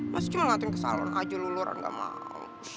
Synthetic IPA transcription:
masi̥t͡ʃuməŋat̪ʊŋkəsa̰la̰nʔad͡ʒululʊrə̰ŋɡa̰ʔma̰o̰

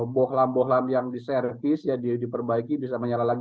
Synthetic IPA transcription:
bɔhlambɔɦlamjaŋdisɛɾəp̪isjadidipərbaikibisaməɲalalaɡ

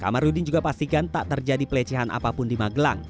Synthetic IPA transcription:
ka̰marudɪnd͡ʒuɡapast̪ikant̪a̰ʔt̪ərd͡ʒadipəlɛt͡ʃɛɦanʔa̰papʊndimaɡəla̰ŋ

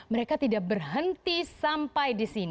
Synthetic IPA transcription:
məɾekat̪idak̚bərɦənt̪isampajdisin

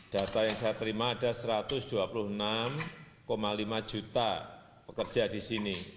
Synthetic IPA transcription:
d̥a̤t̪ajaŋsajat̪əɾimaːdasəɾat̪ʊsd̥uapulʊhənam | komalimad͡ʒut̪a | pəkərd͡ʒ̥ʒ̥adisini

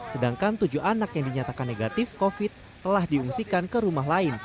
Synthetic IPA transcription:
sədaŋkant̪ud͡ʒuanakjaŋdiɲat̪akanːeɡat̪ɪfkofɪt̪ːəlahdiuŋsikankəɾumaɦlaɪn

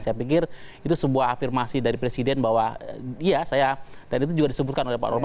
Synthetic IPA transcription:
sajapik̬ɪrit̪usəbuaɦafirmasidaɾipɾesidɛnbawaijasajadanit̪̬ud͡ʒuɡadisəbut̪̚kanolehpa̰ʔɔlma

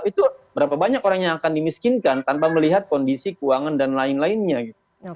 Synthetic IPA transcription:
it̪ubəɾapabaɲakoɾaŋɲaakandimiskinkant̪anpaməliɦat̪̚kɔndisikuaŋandanlaɪnlaɪnɲaɡit̪̚u

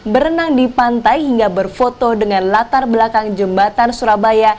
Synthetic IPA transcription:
bəɾənaŋdipant̪ajɦiŋɡabərfot̪odəŋanlat̪arbəlakaŋd͡ʒəmbat̪ansuɾabaja

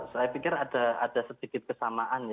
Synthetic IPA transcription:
sajapikɪrad̥a̤a̰d̥asəd̪̥ikɪt̪̚kəsamaʔanj

